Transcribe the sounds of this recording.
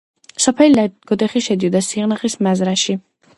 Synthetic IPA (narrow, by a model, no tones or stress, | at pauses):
sɔpʰɛlilaɡ̥ɔd̪ɛχiʃɛd̪iɔd̪asiʁnaχismazɾaʃi